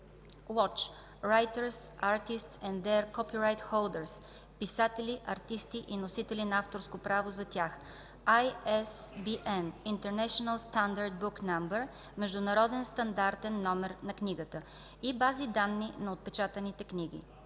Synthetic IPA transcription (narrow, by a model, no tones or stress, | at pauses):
wɔt͡ʃ | ɾajt̪əɾsaɾt̪ist̪sɛ̃nd̪d̪ɛɾkɔpiɾajt̪xolˠd̪əɾs | pisat̪ɛliʔɐɾt̪ist̪iʔinosit̪ɛlʲinɐaft̪oɾskopɾavozɐt̪ʲjax | ajɛsbiʔɛnint̪ɛɾnɛʃonəlˠst̪and̪əɾd̪̚buknambɛɾ | mɛʒd̪ʊnɐɾɔd̪ɛnst̪ɐnd̪aɾt̪ɛnːɔmɛɾnɐkniɡət̪ə | ibazid̪anːinɐot̪̚pɛt͡ʃat̪ənit̪ɛkniɡḭ